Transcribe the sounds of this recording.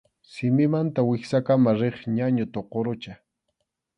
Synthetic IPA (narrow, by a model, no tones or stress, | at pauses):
sɪmɪmant̪awɪχsakamaɾeχɲaɲʊt̪oqoɾʊt͡ʃa